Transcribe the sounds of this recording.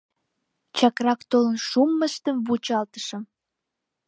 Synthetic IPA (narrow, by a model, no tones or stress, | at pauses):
t͡ɕɑkrɑkt̪olənʃumːəʃt̪əmβut͡ɕɑlt̪ə̥ʃəm